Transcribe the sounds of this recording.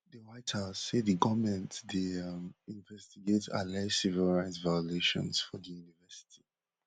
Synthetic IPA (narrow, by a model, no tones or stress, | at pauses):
dəɹaɪtʰazsediɡɔmɛ̃ntdimĩnvɛstiɡeta̰lɛsivilɹaɪzvajɔleʃɔ̰̃nsfɔdəjunivɛsi̥tʰi̥